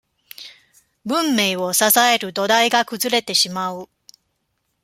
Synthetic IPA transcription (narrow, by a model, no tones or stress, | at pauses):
bɯ̟̃mːe̞ːo̞sasae̞ɾɯ̟d̪o̞d̪aiɡakɯ̟zɨɾe̞t̪e̞ɕimaɯ̟